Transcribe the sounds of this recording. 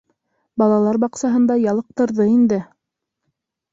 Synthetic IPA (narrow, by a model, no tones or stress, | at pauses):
bɑlˠɑlˠɑɾbɑqsɑɦɤ̆nd̪ɑjɑlˠɤ̆q̚t̪ɤ̆ɾðɤind̪ɘ